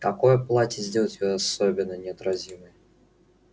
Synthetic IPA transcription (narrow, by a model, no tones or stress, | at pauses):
kɐko̞jplˠatʲɪzʲdʲe̞lˠətʲvɨɐsobʲɪnːənʲɪɐt̪ɾɐzʲiməj